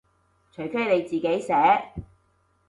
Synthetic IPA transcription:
t͡ʃʰɵ˨˩ɥfʰɵ˥ɥle˨˧jt͡siː˨ke˨˥jsɛː˨˥

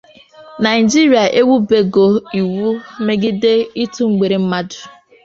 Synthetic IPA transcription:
na˨ɪ˨d͡ʒi˦ɾi˨a˨ʔe˦wu˦be˦ɡo˨i˨wu˦me˦ɡɪ˦de˦i˦tu˦ŋ͡m̩˦ɡ͡be˨ɾe˨m̩˦ma˦dʊ˨

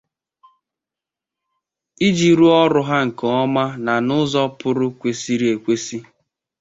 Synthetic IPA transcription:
i˦d͡ʒi˨ɾu˦ɔ˦ɾʊ˦ɦa˦ŋ̩˨kɔ˨ɔ˦ma˦na˨nʊ˦zɔ˦pʊ˦ɾʊ˦kʷe˨si˦ɾi˦e˨kʷe˦si˦

